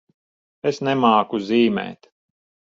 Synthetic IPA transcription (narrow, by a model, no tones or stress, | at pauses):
esnɛmaːkuziːmɛ̰ːt̪